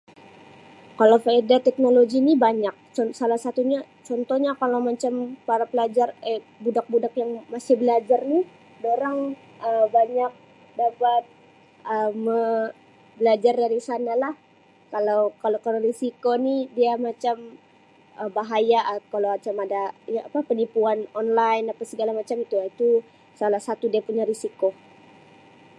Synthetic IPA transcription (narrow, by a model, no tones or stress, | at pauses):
kalawfaedat̪ɛk̚noloɡinibaɲak̚t͡ʃɔsalahsat̪uɲa | t͡ʃɔnt̪ɔhɲakalawmat͡ʃampaɾapəlad͡ʒare | budak̚budak̚jaŋmasɪhbəlad͡ʒarni | doɾaŋ | əbaɲak̚ | dapat̪̚ | ʔəmːə | bəlad͡ʒardaɾisanalah | kalawkalokaloɾisikonidiamat͡ʃam | əbaɦajaʔkalawat͡ʃamadajaʔapapənipuanɔnlajnapasəɡalamat͡ʃamit̪uait̪u | salahsat̪udiapuɲaɾisiko